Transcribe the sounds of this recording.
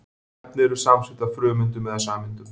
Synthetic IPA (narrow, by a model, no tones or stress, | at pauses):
p̪nɪɛɾʏ̥samsɪt̪afɾʏːmʏnt̪̬ʏmɛðasaːmɪnt̪ʏm